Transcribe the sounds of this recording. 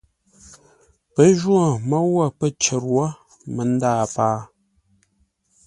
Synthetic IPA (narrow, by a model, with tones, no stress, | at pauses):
pə˦ʒwo˨mə˦wa˦˨pə˦t͡ʃə˨ɾwa˦ | mə˨˦n̩˦daː˦˨paː˦